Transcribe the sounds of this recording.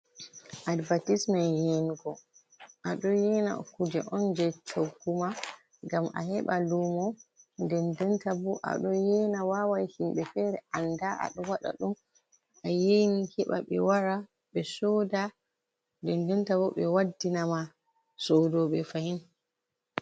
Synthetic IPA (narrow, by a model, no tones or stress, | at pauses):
ʔadbatismanjɛnɡɔ | ʔaɗɔjɛna̰kud͡ʒɛʔɔnd͡ʒɛt͡ʃoɡːuma | ŋɡama̰hɛɓalumɔndɛndɛntabɔʔa̰ɗɔjɛnawawajhimɓɛfɛɾɛʔandaa̰ɗɔwaɗa̰ɗum | ajenihɛɓa̰ɓɛ̰waɾa | ɓɛsɔda | dɛndɛntabɔɓɛwadːinama | sodɔɓɛfahin